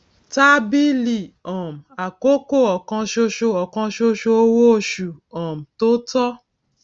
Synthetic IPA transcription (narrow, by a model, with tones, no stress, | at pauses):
ta˦bi˦li˦˨ɔ̃˨m̩˨a˨ko˦ko˦˨ɔ˨kã˧ʃo˧ʃo˧ɔ˨kã˧ʃo˧ʃo˧o˧wo˦o˦˧˨ʃu˨ɔ̃˨m̩˨to˦tɔ˦